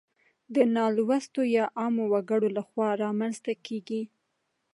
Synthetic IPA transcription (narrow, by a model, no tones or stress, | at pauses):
d̪ənɑlwast̪ojɑʔɑmowaɡəɽolaxwɑɾɑmanzt̪akʰeɡi